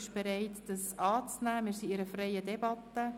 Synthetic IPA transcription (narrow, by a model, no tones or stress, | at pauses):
ɪʃb̥eɾɛɪtd̥ɑsɑːt͡snæːmɪːɾsiɪɾəfrɛjədɛbɑtːə